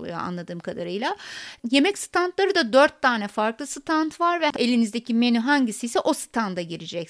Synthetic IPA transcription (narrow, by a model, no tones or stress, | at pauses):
a̰nlˠad̪ɯːmkʰad̪aɾɯjlˠaje̞mɛcsɯ̥t̪ʰant̪lˠaɾɯd̪ad̪øɾt̪ʰːaːnɛfaɾklˠɯsɯt̪ʰant̪ʰvaɾvɛelʲinizd̪ecʰimenyɦaɲɟisijsɛʔo̞sɯ̥t̪ʰand̪aɟiɾid͡ʒɛc